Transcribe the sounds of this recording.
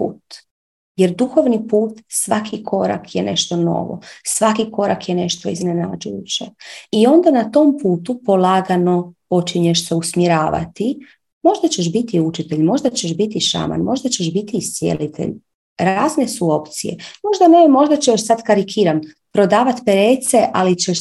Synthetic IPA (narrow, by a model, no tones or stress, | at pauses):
pṵːt̪ | jeɾd̪uxo̞ʋnipuːt̪sʋakʰikʰo̞ɾa̰kʰjene̞̰ʃt̪o̞no̞̰ʋo̞̰sʋakiko̞ɾakjene̞ʃt̪oiznena̰d͡ʒujut͡ɕeio̞nd̪anat̪o̞mpuːt̪upo̞lˠaːɡano̞po̞t͡ʃiɲeʃseusmjeɾaːʋa̰t̪i | mo̞ʒd̪at͡ɕe̞ʃ̬bit̪iut͡ʃit̪e̞ʎmo̞ʒd̪at͡ɕeʃbit̪iʃa̰ma̰nmo̞ʒd̪at͡ɕeʃbit̪iːsje̞̰lit̪ḛʎ | ɾaːzne̞suo̞pt̪sijḛmo̞ʒd̪anemo̞ʒd̪at͡ɕejaʃsad̪kaɾikʰiːɾan | pɾo̞d̪aːʋat̪peɾeːt̪se̞ʔalit͡ɕeʃ